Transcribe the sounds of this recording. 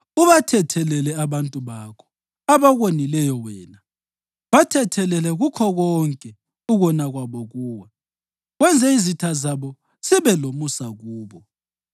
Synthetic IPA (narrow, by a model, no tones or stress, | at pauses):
uβatʰɛtʰɛlɛlɛaβantʼuβakʰɔ̥ | aβaɣwonilɛjɔwɛːna | βatʰɛtʰɛlɛlɛɣukʰɔɣɔŋkʼɛ | uɣɔnaɣwaβɔɣuːwa | ɣwɛnd͡zʱɛizitʰazaβɔ | siβɛlomusaɣuːβɔ